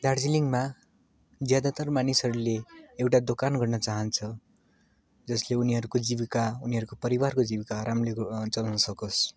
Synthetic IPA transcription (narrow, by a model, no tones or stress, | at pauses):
d̪ard͡ziliŋɡma | d͡zjad̪at̪ʌrmanisɦʌɾuleewʈad̪okanɡʌrnʌt͡saɦʌnt͡sʰʌ | d͡zʌsleuniɦʌɾukod͡ziβikauniɦʌɾukopʌɾibarkod͡zibikaːɾamlet͡sʌlanʌsʌkos